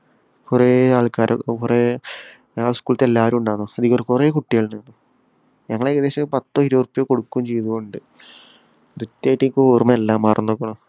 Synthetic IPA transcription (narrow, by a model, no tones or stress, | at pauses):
kureːaːɭkaːɾʔɐ̰kureː | aːɭskuːɭɐt̪ːelːaːɐɾumuɳɖaːnːoɐd̪ikːrkureːkuʈːijaːɭnenːu | ɲɐŋːɐɭeɣɐðeːɕɐpɐt̪ːoːiɾoːrpːijoːko̞ɽukːumt͡ɕejðuɣoɳɖɨ | rut̪ːaːjiʈːikːooːrmɐelːaːmːaːrunːokːɐɳo